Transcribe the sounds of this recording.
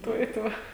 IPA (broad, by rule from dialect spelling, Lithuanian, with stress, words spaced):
ˈtuɔ ɪ ˈtuɔ